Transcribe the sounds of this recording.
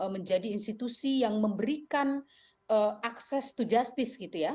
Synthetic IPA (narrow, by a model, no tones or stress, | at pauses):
əməɲd͡ʒadiːnst̪it̪usijaŋməmbəɾikan | əaksɛst̪ud͡ʒast̪ɪsɡit̪uja